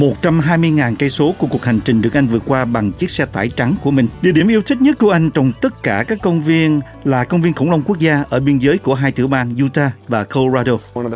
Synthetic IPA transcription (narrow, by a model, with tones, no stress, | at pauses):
mo˨˩t̚t͡ɕa˧mɦaː˧jmɨ˧əjŋaː˨˩nkə˧jso˨˦kəku˨˩ək̚ha˨˩ŋ̟t͡ɕï˨˩ŋ̟ɗɨ˨˩ək̚ʔa˧ŋ̟vɨ˨˩ət̚kwaː˧ɓa˨˩ŋt͡ɕi˦˥ək̚sɛ˧t̪aː˧˩jt͡ɕa˨˦ŋku˧˩əmï˨˩ŋ̟ɗḭ˨˧˨əɗi˧˩əmʔi˧əwt̪ʰï˦˥t̚ɲə˦˥t̚ku˧˩əʔa˧jŋ̟t͡ɕɔ˧wŋ͡mt̪ə˦˥t̚kaː˧˩kaː˦˥kːə˧wŋ͡mvi˧ən | laː˨˩kə˧wŋ͡mvi˧ənxə˧˩wŋ͡mlə˧ŋ͡mku˦˥ək̚zaː˧ʔʔəː˧˩ɓi˧ənzəː˨˦jku˧˩əɦaː˧jt̪ɨ̰˧˩wɓaː˧nzu˧t̪aː˧vaː˨˩ko˧zaː˧ɗo˧